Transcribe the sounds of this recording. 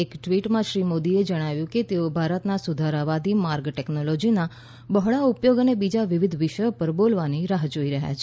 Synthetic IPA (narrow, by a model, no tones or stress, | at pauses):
ekʈʋiʈmãʃɾimod̪ied͡ʒəɽ̃aʋjũket̪eobʱaɾət̪nasud̪ʱaɾaʋad̪ʱimaɾɡʈɛknolɔd͡ʒina | bəɦɭaupjoɡənebid͡ʒaʋɪʋɪd̪ʱʋɪʃəjopəɾbolʋaniɾaɦd͡ʒoiɾəɦja̰t͡ʃʰe